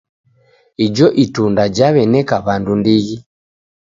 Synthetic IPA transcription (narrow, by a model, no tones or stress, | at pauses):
id͡ʒɔʔitundad͡ʒaβɛnɛkaβandundiɣi